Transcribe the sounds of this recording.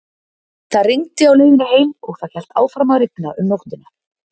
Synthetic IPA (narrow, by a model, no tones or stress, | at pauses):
θaðriŋt̪ɪawleːjɪnɪheːjmɔɣθað̥çɛl̥t̪a̰ːwfɾamaɾɪk̚naʔʏmnowht̪ɪna